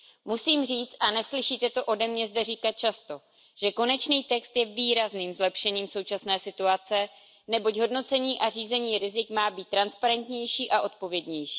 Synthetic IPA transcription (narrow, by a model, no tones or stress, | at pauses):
musiːmr̝iːt͡st̪ʔanɛslɪʃiːt̪ɛt̪o̞ʔo̞dɛmɲɛzdɛriːkat̪̚t͡ʃast̪o̞ | ʒ̥ɛko̞nɛt͡ʃniːt̪ɛkst̪jɛviːɾazniːmzlɛpʃɛɲiːmso̞wt͡ʃasnɛːsɪt̪uat͡sɛ | nɛbo̞cɦo̞dno̞t͡sɛɲiːʔariːzɛɲiːɾɪzɪkmaːbiːt̪ːɾanspaɾɛnt̪ɲɛjʃiːʔaʔo̞t̪̚po̞vjɛdɲɛjʃi̥ː